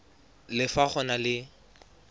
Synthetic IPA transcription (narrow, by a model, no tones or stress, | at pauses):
lɪfak͡xʰɔnalɪ